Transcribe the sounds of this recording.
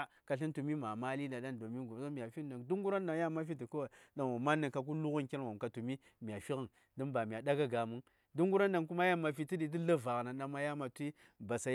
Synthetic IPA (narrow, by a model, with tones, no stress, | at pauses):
ka˨ɬi˦ntu˨mi˦ma˨ma˦li˦nda˨ɗa˦ndo˨mi˦ɡu˨so˦mi˨ja˨fi˦a˨ŋdu˦ŋɡu˦ɾa˦nda˨ja˦ma˦fi˦ti˨ko˦wa˨da˨nwo˨ma˦nːa˨ŋ˨ka˨k̬u˦lu˦ɣu˦nki˦n˨wo˨m˨ka˨tu˨mi˦ | mi˨ja˨fi˦ɣə˨ŋ | di˦mba˨mi˨a˨da˦ɡa˦ɡa˨mu˦ŋ | du˦ŋɡu˦ɾa˦n˦da˨ŋku˦ma˦ja˦ma˨fi˨ti˦di˨t̬i˦la˦va˨ɣna˨ɗa˨ma˦ja˦ma˨tʷi˦ | ba˨sa˨